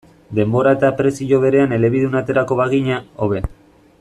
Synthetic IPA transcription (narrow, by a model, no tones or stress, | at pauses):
d̪e̞mbo̞ɾae̞t̪apɾe̞siʎo̞β̞e̞ɾe̞ane̞le̞βiðunat̪e̞ɾako̞βaɣiɲao̞βe̞